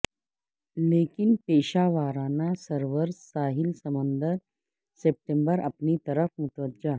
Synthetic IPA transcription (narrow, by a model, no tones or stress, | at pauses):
leːkinpeːɕaʋaːɾanasəɾʋəɾsaːɦilsəmənd̪əɾ | sep̚ʈembəɾɐ̰pnit̪ɐɾəfmut̪ʋəd̪̚d͡ʒa